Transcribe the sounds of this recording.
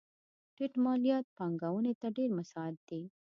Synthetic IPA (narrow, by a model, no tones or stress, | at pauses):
ʈɪʈmɑlijɑt̪̚pɑŋɡawənet̪aɖeɾmasɑad̪̚d̪e